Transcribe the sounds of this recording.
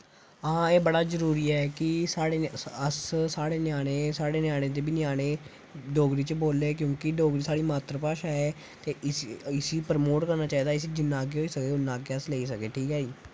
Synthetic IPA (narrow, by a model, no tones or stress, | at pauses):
ãːeːbəɽaːzəɾuːɾiːɛːkɪsaːɽeːəssaːɽeːnɪjaːɽ̃eːsaːɽeːnjaːɽ̃ẽːd̪eːbɪnɪjaːɽ̃ẽː | ɖoːɡɾiːt͡ʃboːleːkjõːkɪɖoːɡɾiːsaːɽiːmaːt̪ɾəpaːʃaːeː | t̪eːɪsiːpəɾmoːʈkəɾnaːt͡ʃaːiːd̪aːɪs̬iːd͡ʒɪnːãːɡeːɦoːiːsəkeːʊnːãːɡeəsleːiːsəkeːʈʰiːkaːiː